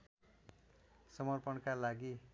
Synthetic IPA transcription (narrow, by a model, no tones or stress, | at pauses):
sʌmʌrpʌnkalaɡi